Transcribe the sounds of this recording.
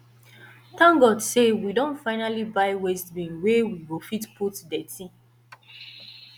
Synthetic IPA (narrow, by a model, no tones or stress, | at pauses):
tãŋɡɔdsewidɔ̃ntfaɪnalibaɪwestbĩŋwewiɡofitpʰutdɛtĩ